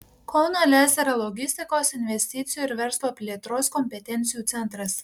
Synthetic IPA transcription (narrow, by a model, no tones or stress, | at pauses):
kʰɔʊnɐlʲæːzʲɛɾɐlˠɔɡʲɪsʲt̪ʲɪkoːsɪnʲʋʲɛsʲt̪ʲɪt̪sʲɪjuːɪɾʋʲɛɾslˠoːpʲlʲiɛt̪ɾoːskɔmʲpʲɛt̪ʲɛnʲt̪sʲɪjuːt̪sʲɛnˑt̪ɾɐs